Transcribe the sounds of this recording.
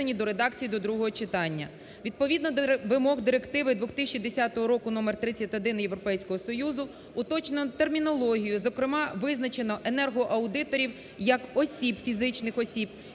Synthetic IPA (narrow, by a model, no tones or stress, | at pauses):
enʲid̪ɔɾe̞d̪ɑkt͡sʲijid̪ɔd̪ɾuɦɔɦɔt͡ʃɪt̪ɑnʲːɐ̰ | ʋʲid̪̚pɔʋʲid̪nɔʋɪmɔɣd̪ɪɾekt̪ɪʋɪd̪ʋʊxt̪ɪʃt͡ʃid̪esʲɑt̪ɔɦɔɾɔkʊnɔmert̪ɾɪt͡sʲːɐtʲɔd̪ɪnjewɾɔpɛjsʲkɔɦɔsɔjuzʊ | ʊt̪ɔt͡ʃenɔt̪ermʲinɔlˠɔɦʲijʊzɔkɾɪmɑʋɪznɐt͡ʃenɔʔenɛrɦɔʔɐwd̪ɪt̪ɔɾʲiw | jɐkɔsʲibfʲizɪt͡ʃnɪxɔsʲib̚